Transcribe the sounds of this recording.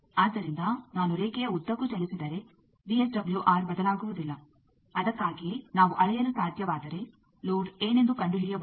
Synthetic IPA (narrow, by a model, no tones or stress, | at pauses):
aːd̪ːɐɾind̪ɐnaːnuɾeːkɛjɐud̪ːɐkːud͡ʒɐlisid̪ɐɾe̞ | biesɖɐbɐljuʔaːɾbɐd̪ɐlaːɡuʋud̪ilːɐ | ɐd̪ɐkːaːɡinaːʋuʔɐɭɛjɐnːusaːd̪ʱjɐʋaːd̪ɐɾe̞ | loːɖeːne̞nd̪ukɐɳɖuɦɛɭijɐb